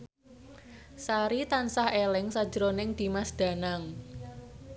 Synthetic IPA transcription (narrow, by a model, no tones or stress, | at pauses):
saɾit̪ansahelɪŋsḁd͡ʒəɾonɪŋd̪̥i̤masd̪̥a̤naŋ